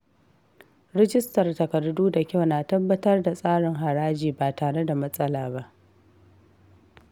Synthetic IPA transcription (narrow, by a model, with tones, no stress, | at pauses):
ɾɪ˦d͡ʒɪ˦stɐ˨rtɐ˨kɐ˨rduː˦da˨kʲa˦wnaː˨tɐ˦bːɐ˦tɐ˦rda˨sʼaː˦ɽɪ˨ŋɦa˨ɽaː˦d͡ʒiː˨baː˨taː˨ɽe˦da˨mɐ˦sʼɐ˦laː˨ba˦ʔ